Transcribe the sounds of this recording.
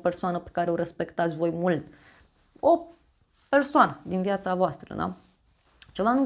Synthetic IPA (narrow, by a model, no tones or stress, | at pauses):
pe̞rsoanəpe̥kaɾe̞o̞ɾe̞spe̞kt̪at̪sʲvo̞jmult̪ | o | pe̞rsoanəd̪inviat̪savoast̪ɾə̰d̪a̰ | t͡ʃe̞vanu